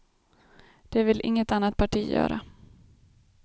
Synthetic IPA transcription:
d̪̥ɛvɪlʔɪŋːət̪anːat̪̚pʰaʈʰiːjœ̰ːɾa

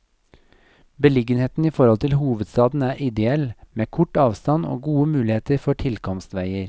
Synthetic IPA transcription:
bəlɪɡənheːt̪n̩iːfɔɾhɔlt̪ʰɪlhuːʋəd̪st̪ɑːd̪n̩æːɾʔɪd̪ɛɛlmeːkʰʊʈɑːʋst̪ɑno̰ːɡuːəmʉːlɪheːt̪əɾfɔʈʰɪlkʰɔmst̪ʋæɪəɾ

